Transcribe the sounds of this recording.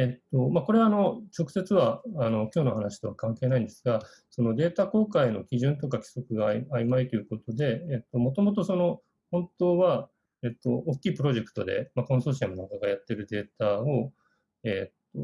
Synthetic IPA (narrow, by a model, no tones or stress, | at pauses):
et̪ːomako̞ɾe̞βaːno̞t͡ɕo̞kɯ̟̥se̞t͡sɨβaːno̞kʲo̞ːnohanaɕi̥t̪o̞βakãŋke̞ːnaĩnd̪e̞sɨɡa | so̞no̞d̪e̞ːt̪ako̞ːkaino̞kʲiʑɨ̃nt̪o̞kakʲi̥so̞kɯ̟ɡaaimait̪o̞jɯ̟ko̞t̪o̞d̪e̞ːt̪ːo̞mo̞t̪o̞mo̞t̪̬o̞so̞no̞ | hõ̞nt̪o̞ːβa | e̞t̪ːo̞ːkʲːiːpɯ̟ɾo̞ʑe̞kɯ̥t̪o̞̰d̪e̞̰makõ̞so̞ːɕ̬iamonaŋkaɡajat̪ːe̞ɾɯ̟d̪e̞ːt̪ao | eːt̪ːo̰